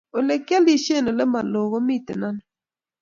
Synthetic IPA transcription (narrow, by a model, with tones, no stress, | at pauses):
o˨le˨kja˦li˦ʃe˦˨no˨lɛ˦ma˨lo˨ɣo˦mi˦˨tḛ˨na˦n